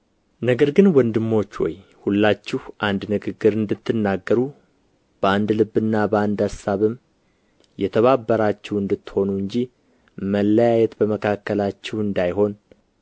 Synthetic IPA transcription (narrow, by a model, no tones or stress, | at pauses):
nəɡəɾɡɨnwɔnd̪ɨmːo̞t͡ʃːwɔ̰jhulːat͡ʃːɪhʔand̪nɨɡɨɡːɨɾɨnd̪ɨt̪ʰːɨnːaɡːəɾu | b̥əand̪lɨbːɨnːabəand̪asaβɨm | jɛt̪ʰəβabːəɾat͡ʃːɛwɨnd̪ɨt̪ːho̞nuɨɲd͡ʒi | məlːəjajɛt̪bəməkʰakːəlat͡ʃːɛhɨnd̪ajɦo̞n